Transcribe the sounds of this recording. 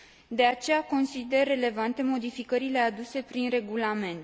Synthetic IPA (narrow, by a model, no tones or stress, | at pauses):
d̪e̞at͡ʃe̞jako̞nsid̪e̞rːe̞le̞vant̪e̞mo̞d̪ifikəɾile̞ad̪use̞pɾinre̞ɡulame̞nt̪